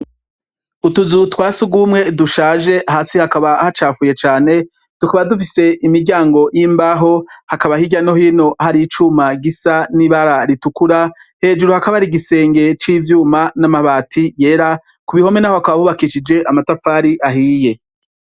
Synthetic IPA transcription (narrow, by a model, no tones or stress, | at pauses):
utuzutwaːsuɡuːmŋe̞duʃaːʒe̞ʔaɦaːsihakaβahat͡ʃaːfuje̞t͡ʃaːne̞ | tukaβadufise̞ʔimiɾɟaːŋɡo̞jʔiːmbaɦo̞hakaβahiɟano̞hiːno̞ʔahaɾit͡ʃumaɡisaniβaɾaɾitukuɾa | he̞ːd͡ʒuɾuhakaβaɾiɡise̞ːŋɡe̞t͡ʃiːvjuːmanamaβaːtʰije̞ɾa | kuβiho̞menahohakaβahuβakiʃid͡ʒe̞ʔamatafaːɾiʔaɦiːje̞